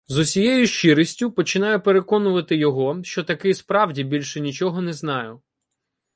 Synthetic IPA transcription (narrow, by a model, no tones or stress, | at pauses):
zʊsʲijɛjʊʃt͡ʃɪɾisʲtʲʊpɔt͡ʃɪnɑjʊpeɾekɔnʊʋɐt̪ɪjɔɦɔʃt͡ʃɔt̪ɐkɪspɾɑwdʲibʲilʲʃɛnʲit͡ʃɔɦɔnɛznɑjʊ